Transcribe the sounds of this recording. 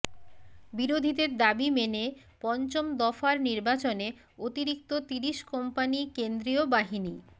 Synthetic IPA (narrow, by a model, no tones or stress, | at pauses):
biɾod̪ʱid̪eɾd̪abimene | pɔnt͡ɕomd̪ɔfaɾniɾbat͡ɕone | ot̪iɾikt̪ot̪iɾiʃkɔmpanikend̪ɾiobaɦini